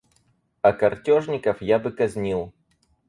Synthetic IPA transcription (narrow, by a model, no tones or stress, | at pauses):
ɐkɐrtʲɔʐnʲɪkɐfjabɨkɐzʲnʲilˠ